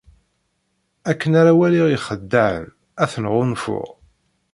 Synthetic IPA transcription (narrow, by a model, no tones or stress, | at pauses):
ækːənaɾawæliʁiχəd̪ːəʕə̰n | æθənʁʊnfʊ̰ʁ